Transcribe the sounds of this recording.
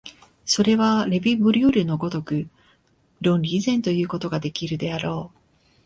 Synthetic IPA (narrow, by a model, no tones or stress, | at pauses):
so̞ɾe̞βaɾe̞bʲibɯ̟ɾʲɯːɾɯ̟no̞ɡo̞t̪o̞kɯ̟ | ɾõ̞nɾʲiːzẽ̞nt̪o̞jɯ̟ːko̞t̪o̞ɡad̪e̞kʲiɾɯ̟d̪e̞aɾo̞ː